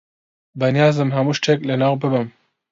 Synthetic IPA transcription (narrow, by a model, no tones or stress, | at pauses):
bɐnjɑːzɨmɦɐmuʃʈ͡ʂʰeklɐnaːwbɨbɨm